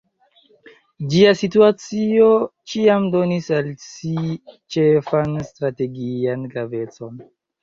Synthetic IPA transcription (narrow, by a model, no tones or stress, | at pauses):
d͡ʒiasituat͡sio̞t͡ʃiamdo̞nisalsit͡ʃe̞fanstɾate̞ɡianɡɾave̞t͡so̞n